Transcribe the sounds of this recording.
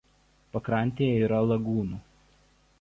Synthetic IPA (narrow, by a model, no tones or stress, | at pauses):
pɐkɾɐˑnʲˑt̪ʲeːjɛiːɾɐlˠɐɡuːnuː